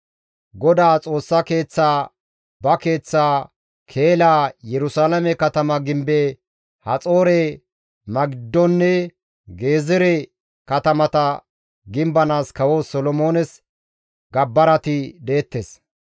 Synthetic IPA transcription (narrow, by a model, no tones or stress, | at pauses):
ɡɔd̪aːt͡sʼo̞ːsːɐke̞ːt͡sːaː | bɐke̞ːt͡sːaː | kʰe̞ːlaːjɛɾʊsaːlɐmɛkɐt̪ɐmɐɡɪmbɛ | hɐt͡sʼo̞ːɾɛ | mɐɡɪd̪ːɔnːɛ | ɡe̞ːzɛɾɛ | kɐt̪ɐmɐt̪ɐ | ɡɪmbɐnaːskɐwosɔlɔmo̞ːnɛs | ɡɐbːɐɾɐt̪ɪd̪eːt̪ːes